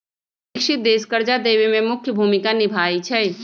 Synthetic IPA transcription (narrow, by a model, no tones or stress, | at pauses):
ɪkʃɪt̪̚d̪eːskəɾd͡ʒad̪eːʋimẽmʊkʰjəbʱuːmɪkanɪbʱaːit͡ʃʰɛ